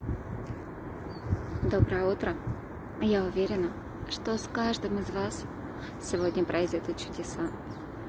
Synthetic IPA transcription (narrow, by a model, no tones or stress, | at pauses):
d̪obɾəjəut̪ɾə | jaʊvʲeɾʲɪnə | ʂt̪oskaʐd̪ɨmɨzvas | sʲɪvodʲnʲəpɾʔɐzʲɪt̪ɨt̪̚t͡ɕʊdʲɪsa